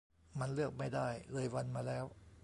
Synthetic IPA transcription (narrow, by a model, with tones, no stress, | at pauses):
ma˧nlɯ˥˩ək̚ma˥˩jda˥˩jlɤː˧jwa˧nmaː˧lɛː˦˥w